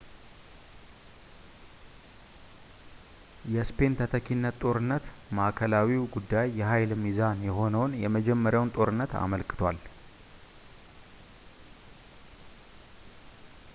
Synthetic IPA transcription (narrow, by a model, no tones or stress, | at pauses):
jɛspʰe̞nt̪ʰət̪ʰəkʰinːət̪ʼo̞ɾɨnːət̪ | maʔkʰəlawiwɡud̪ːajːɛɦajlmizanjɛɦo̞nəwnjɛməd͡ʒɛmːəɾjawnt̪ʼo̞ɾɨnːət̪a̰məlkʼɨ̥t̪ʰwal